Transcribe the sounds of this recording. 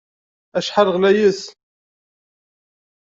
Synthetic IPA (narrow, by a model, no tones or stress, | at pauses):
æʃħaɾʁlæjəs